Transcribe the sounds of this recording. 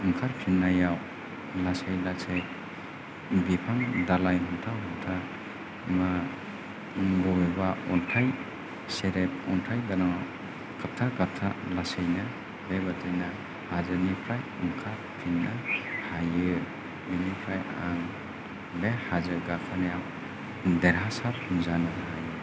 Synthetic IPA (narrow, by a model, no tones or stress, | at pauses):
ɯŋkʰaɾpʰinːajaw | lasajlasej | bipʰaŋdalajɦɔntʰaɦɔntʰa | ma | ɡɔebaɔntʰaj | seɾep̚ɔntʰajdanaw | kʰap̚tʰakap̚tʰalasejna | bebatʰɯna | hazanipʰajɯŋkʰa | tʰinːahajɯ | binipʰaja̰ŋ | behazɯɡakʰanejaw | deɾɦasatunzanaɦajɯ